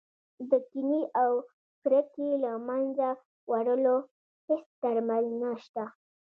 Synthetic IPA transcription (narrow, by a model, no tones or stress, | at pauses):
d̪əkiniʔaw | kɾəkelamanza | waɽəlo | hesd̪aɾmalnaʃt̪a